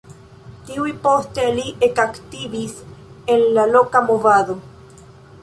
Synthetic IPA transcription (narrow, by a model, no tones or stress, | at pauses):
t̪iwipost̪ealiʔekakt̪iβis | enlalokamovaðo